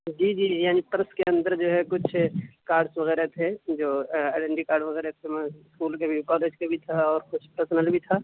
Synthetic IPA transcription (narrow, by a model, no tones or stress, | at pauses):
d͡ʒiːd͡ʒiːjaːnipɐɾskeɐ̃nd̪əɾd͡ʒoːɦɛkʊt͡ʃʰkaːɾɖsʋɐɣɛːɾet̪ʰed͡ʒoːaːɖɛ̃ɳɖikaːɾɖʋɐɣɛːɾet̪ʰemɛ̃ɪskuːlkabʱikɔːleːd͡ʒkabʱit̪ʰaɔːɾkʊt͡ʃʰpəɾsənəlbʱit̪ʰa